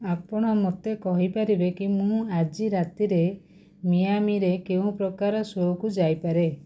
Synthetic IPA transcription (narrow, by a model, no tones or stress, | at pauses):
apɔɽ̃ɔmot̪ekɔɦipaɾibekimũad͡ʒiɾat̪iɾe | mijamiɾekeũpɾɔkaɾɔsokud͡ʒajpaɾe